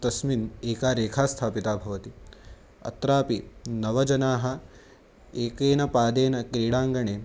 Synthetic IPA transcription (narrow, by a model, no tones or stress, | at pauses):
t̪ɐsmineːkaːɾeːkʰaːst̪ʰaːpit̪aːbʱɐʋɐt̪i | ɐ̰t̪ɾaːpinɐʋɐd͡ʒɐnaːɦɐ̆ | eːkeːnɐpaːd̪eːnɐkɾiːɽaːŋɡɐɳeː